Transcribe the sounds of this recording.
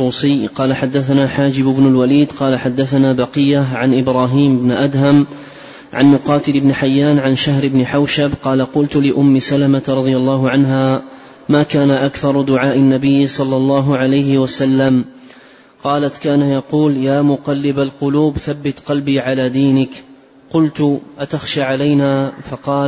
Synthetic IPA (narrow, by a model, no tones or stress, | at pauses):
uːsɪjːqɑːlaħad̪ːaθanaːħaːd͡ʒɪbɪbnʊlwaliːd̪qɑːlaħad̪ːaθanaːbɑqɪjːaʕanʔɪbɾˤɑːɦiːmɪbnɪʔad̪ɦam | ʕa̰nmʊqɑːt̪ɪlɪbnɪħajːaːnʕanʃaɦɾɪbnɪħawʃabqɑːlaqʊlt̪ʊlɪʔʊmːɪsalamat̪ɾˤɑd̪ˤɪjalˤːɑːɦʊʕanɦaː | maːkaːnaʔakθɑɾˤd̪ʊʕaːʔɪnːabɪjːsˤɑlːɑlˤːɑːɦʊʕalajhɪwasalːam | qɑːlat̪kaːnajɑquːljaːmʊqɑlːɪbalqʊluːbθabːɪt̪qɑlbiːʕalaːd̪iːnɪk | qʊlt̪ʔat̪axʃaːʕalajnaːfɑqɑː